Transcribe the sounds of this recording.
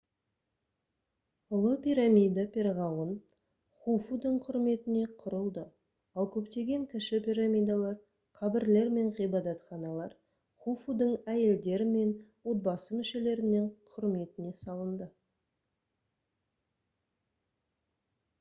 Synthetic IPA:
ʊlˠəpʲiɾamʲijd̪apʲʰe̞ɾʁɑwən | χufud̪əɴqʰʊɾme̞t̪ɪne̞qʰʊɾəlˠd̪ə | ɑlˠkʲʰɵpt̪e̞ɡʲe̞ŋkʲʰɪʃɪpʲiɾamijd̪alˠɑɾ | qʰɑbɪɾle̞ɾme̞ɴʁijbɑd̪ɑt̪χɑnɑlˠɑɾ | χufud̪əɴæje̞ld̪e̞ɾɪme̞nwo̞t̪̚bɑsəmʏʃe̞le̞ɾɪnːɪɴqʰʊɾme̞t̪ɪne̞sɑlˠənd̪ə

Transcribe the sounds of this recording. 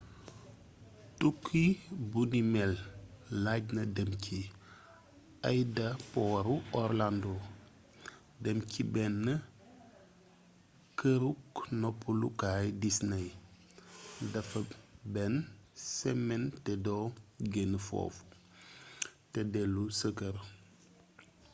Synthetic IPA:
tukʰːibunimɛlː | aɟnɐdɐmcʰi | ɐjdɐpɔɾuɔɾlando | dɐmcʰibɛnːɐ | kəɾuknɔpːulukaːjdisnɐj | dɐfɐbɛnsɛmːɛntɛdoɡenfɔ̰ːf | tɛdɛlusəkəɾ

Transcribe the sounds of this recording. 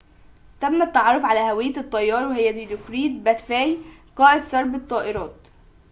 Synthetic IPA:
t̪æmːæt̪ːɑʕɑrˤːofʕalæʔhæwɪjːæt̪ˤːɑjːɑːɾˤwehɪjːæd̪id̪okɾiːd̪̚bæt̪fæːjqɑːʔɪd̪sɑɾˤbɪt̪ˤːɑːʔɪɾɑːt̪

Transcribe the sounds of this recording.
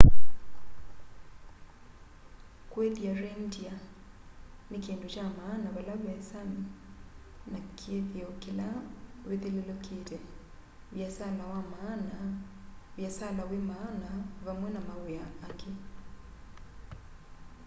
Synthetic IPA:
kwɛðjarɛndia | nikendut͡ʃamaːnaβalaβjasami | nakʰeðjɔkilaweðelɛlɔketɛ | βjasalawamaːna | βjasalawemaːnaβamwɛnamaɣwjaːke

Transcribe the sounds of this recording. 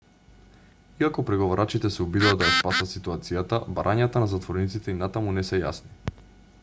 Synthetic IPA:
iakɔpɾɛɡovaɾat͡ʃit̪ɛsɛɔbid̪ad̪ajaspasat̪sit̪uat̪sijat̪abaɾʔaɲat̪anazat̪vɔɾnit̪sit̪ɛinat̪amunɛsɛja̰sni

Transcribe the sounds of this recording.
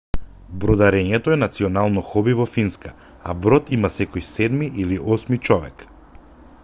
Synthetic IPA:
bɾɔd̪aɾɛɲɛt̪ɔɛnat̪siɔnalˠnɔxɔbivɔfinska | a̰bɾɔt̪imasɛkɔjsɛd̪miʔiliʔɔsmit͡ʃɔvɛ̰k

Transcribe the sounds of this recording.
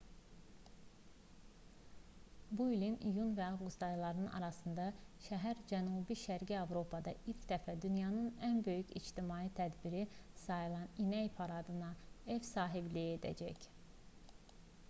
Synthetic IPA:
builinijunvæɑvɡust̪ɑjlˠɑɾɯnɯnʔɑ̰ɾɑsɯnd̪ɑʃæɦæɾd͡ʒænubiʃæɾɟiɑvɾo̞pʰɑd̪ɑ̰iɾcʰd̪æfæd̪ynjɑnɯnænbø̞jycʰḭd͡ʒt̪imɑːit̪ʰæd̪biɾisɑjɯlˠɑninæjpʰɑɾɑd̪ɯnɑevsɑːɦiblijed̪æ̰d͡ʒæc

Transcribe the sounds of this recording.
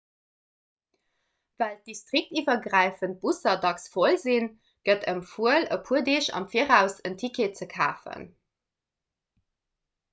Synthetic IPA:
vælt̚distʁik̚tiːvɐɡʁæɪfənt̚b̥usɐdɑksfolzin | ɡ̥ətʰəmfuələpʰuədiɕɑ̰mfiəʁæʊsəntʰikʰet͡səkʰa̰ːfə̰n

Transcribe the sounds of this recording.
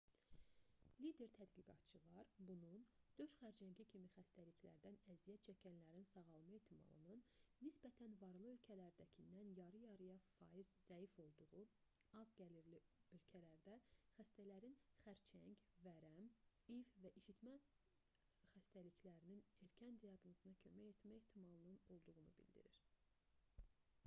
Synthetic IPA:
lid̪e̞ɾt̪ʰæd̪ɡiɡɑ̰t̪t͡ʃʰɯlˠɑɾbunund̪̥øʃχæɾd͡ʒæɲcicʰimixæst̪æliçʰlæ̰ɾd̪ænæzijæt̪t͡ʃʰæcʰænlæɾinsɑɣɑlˠmɯe̞ht̪ʰimɑ̰lˠɯ̰nɯnːisbæt̪ʰænvɑɾlˠɯø̞lcʰælæɾd̪æcʰinːænjɑɾɯjɑɾɯjɑfɑ̰ːjizzæifo̞lˠd̪uʁu | ɑzɟæliɾliø̞lcʰælæɾd̪æxæst̪ælæɾinχæɾt͡ʃʰæ̰ɲcvæɾæm | ivvæʔiʃit̪mæ | xæst̪ælicʰlæɾinine̞ɾcʰænd̪ijɑɡnɑsɯnɑcʰø̞mæjeht̪mæeht̪ʰimɑlˠɯnɯno̞lˠd̪uʁunubḭld̪ḭɾiɾ

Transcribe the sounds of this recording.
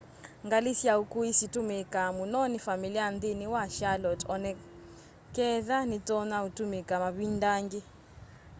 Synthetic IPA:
ŋɡalisiaukʼuisitʼumɛkʼamunɔnifamiliand̪iniwaʃalɔtʼʰɔnɛ | kʼɛðanit͡sʼɔnautʼumikʼamaβindaːŋɡi

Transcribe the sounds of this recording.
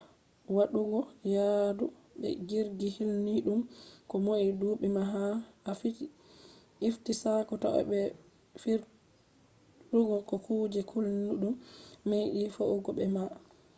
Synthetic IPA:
waɗuɡɔjadu | ɓɛ̰ɡiɾɡihilniɗumkɔmoʔiduɓɛmaɦaafit | iftisakɔta̰ʔɔ̰ɓɛ | fiɾ | ɗuɡɔkɔkuːd͡ʒɛkʰulnuɗumːejɗifoʔuɡɔɓɛma

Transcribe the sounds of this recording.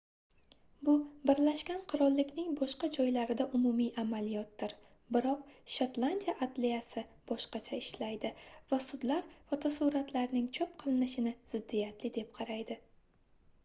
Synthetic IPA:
bʊbɪɾlaʃkʲanqʰʊɾɒlˠːɪkʲnɪŋbɒʃqɑd͡ʒɒjlaɾɪd̪aʔʊmʊmijʔamalijɒt̪̚d̪ɪɾ | bɪɾɒq̚ʃat̪lˠand̪ijaʔat̪lijasɪb̥ɒʃqɑt͡ʃʰaɪʃlajd̪ɪvasʊd̪laɾfɒt̪ʰasuɾat̪ʰlaɾnɪŋt͡ʃʰɒp̚qʰɨlˠɪnɪʃɪnɪz̥ɪd̪ːijat̪lɪd̪e̞p̚qʰɑɾajd̪ɪ

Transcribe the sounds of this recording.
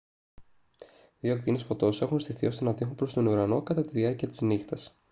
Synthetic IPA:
ðio̞kt̪inesfo̞t̪o̞se̞xunst̪iθio̞st̪o̞nɐt̪ixopɾo̞st̪o̞nuɾɐno̞kɐt̪ɐt̪iðiɐɾciɐt̪i̥znixt̪ɐs

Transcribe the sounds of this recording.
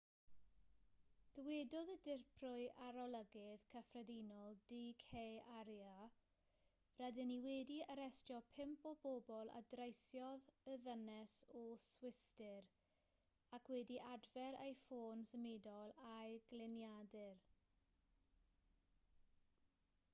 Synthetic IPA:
d̥əwɛdɔðədɪrpʰrʊɨʔaɾɔlˠəɡɪðkʰəfrɛdinɔlˠdikʰejaɾja | rɛdɪniwɛdiəɾɛstjɔpʰɪmpɔbobɔlˠa̰drejsjɔðəðənɛsɔswɪstɪɾ | akʰwɛdiʔadvɛɾa̰jfoːnsəmɪdɔlˠajɡ̥lɪnjadɪr

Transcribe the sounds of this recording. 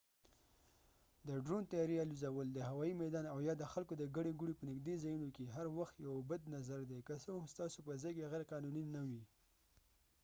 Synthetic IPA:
d̪əɖɾont̪ajɑɾialuzawəld̪əɦawɑimad̪ɑnawjɑd̪əxalkod̪əɡaɽeɡuɽepənɪɡd̪ezajunokeɦaɾwaxt̪jawbad̪nazaɾd̪ekasokst̪ɑsopəzɑjkeɣeɾqɑnuninawi

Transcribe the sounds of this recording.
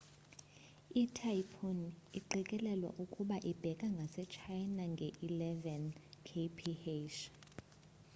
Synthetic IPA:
itʰajpʰoniǃɛkʼɛlɛlwa̰ʔukʼuɓaʔib̥ʱɛkʼaŋɡʱasɛt͡ʃʰajnaŋɡʱɛʔilɛvɛnkʰepʰiheʃ

